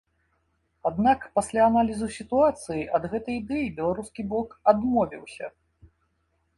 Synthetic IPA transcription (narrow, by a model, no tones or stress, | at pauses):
ad̪nakpasʲlʲaːnalʲizusʲit̪uat̪sɨjiʔɐd̪ɣɛt̪ɐjid̪ɛjibʲɛlˠaɾuskʲiblˠɔkad̪mɔvʲḭwsʲɐ̰